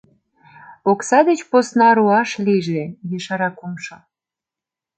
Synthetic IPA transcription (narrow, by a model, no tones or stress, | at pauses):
oksɑd̪et͡ɕposnɑɾuɑʃliʒejeʃɑɾɑkumʃo